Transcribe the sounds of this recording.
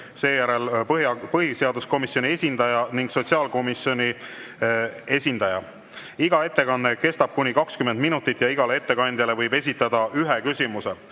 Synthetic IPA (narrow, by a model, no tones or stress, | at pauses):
se̞ːjæɾelɦɑpɤɦise̞ɑd̪̥usko̞misjo̞nʲie̞sʲind̪ɑjɑniŋɡ̥so̞t̪siɑːlko̞misjo̞nʲi | e̞sʲind̪̥ɑjɑ̰ | iɡɑe̞t̪ːe̞kɑnːe̞ke̞st̪ɑb̥̚kunʲikɑkskymend̪̚minut̪ːˑit̪ːˑjɑiɡ̥ɑlee̞t̪ːe̞kɑnʲd̪ʲjɑle̞vɤjbe̞s̬ʲit̪ːˑɑd̪̥ɑyɦekysʲimuse̞